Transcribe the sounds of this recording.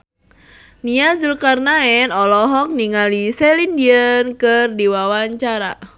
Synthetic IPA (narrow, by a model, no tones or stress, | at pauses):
niazulkarnaɛnɔlɔɦɔk̚niŋalisɛlindiənkɨrdiwawaɲt͡ʃaɾa̰